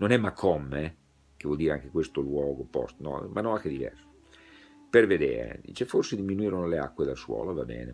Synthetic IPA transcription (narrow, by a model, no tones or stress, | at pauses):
nonɛmːakʰːɔmːe | k̟evwɔld̪iːɾeaŋk̟ekwest̪olwɔːɡopɔ̰st̪nɔ̰manːɔakːed̪ivɛ̰rso̥ | perved̪ḛːɾḛd̪ḭːt͡ʃeforsed̪iminuiːɾonolea̰kːwed̪alswɔ̰ːlovabɛ̰ːnḛ